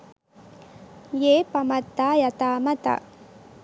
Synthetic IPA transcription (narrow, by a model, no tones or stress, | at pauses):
jeːpɐmɐt̪ːaːjɐt̪aːmɐt̪a̰